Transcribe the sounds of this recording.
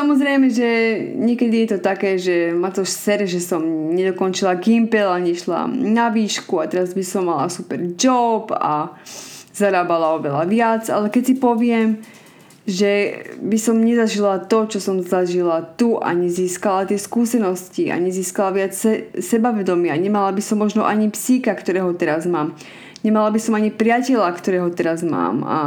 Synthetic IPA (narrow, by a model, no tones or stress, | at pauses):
samɔzɾɛjmɛʒɛɲɪɛkɛd̪ijɛt̪ɔt̪akɛːʒɛmat̪ɔʃsɛɾʒɛsɔmɲɛd̪ɔkɔnt͡ʃilaɡimpɛlaɲɛʃla̰naʋiːʃkuat̪ɛɾazbisɔmːala̰supɛɾd͡ʒɔpa̰ | zaɾaːbalaɔʋɛla̰ʋɪad͡za̰lɛkɛcsipɔʋɪɛm | ʒɛbisɔmɲɛzaʒilat̪ɔt͡ʃɔsɔmzaʒilat̪uʔa̰ɲiziːskalat̪ɪɛskuːsɛnɔscia̰ɲiziːskalaʋɪat͡sɛsɛbaʋɛd̪ɔmɪaɲɛmalabisɔmːɔʒnɔʔaɲipsiːkakt̪ɔɾɛːɦɔt̪ɛɾazmaːm | ɲɛmalabisɔmaɲipɾɪacɛʎakt̪ɔɾɛːɦɔt̪ɛɾazma̰ːma̰